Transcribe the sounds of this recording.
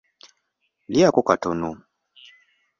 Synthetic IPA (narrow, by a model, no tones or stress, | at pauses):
liakɔkatɔnɔ